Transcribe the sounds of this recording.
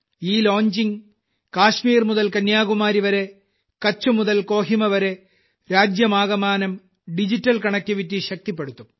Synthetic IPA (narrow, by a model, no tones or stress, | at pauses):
iːloːɲd͡ʑiŋ | kaːʂmiːrmuðɐlkɐnjaːɡumaːɾiʋɐɾe̞ | kɐt͡ɕːumuðɐlko̞ːɦimɐʋɐɾe̞ | ɾaːd͡ʑjɐmaːɣɐmaːnɐm | ɖid͡ʑitːɐlkɐɳɐkʲːɐʋitːiɕɐk̚t̪ipːe̞ɽut̪ːum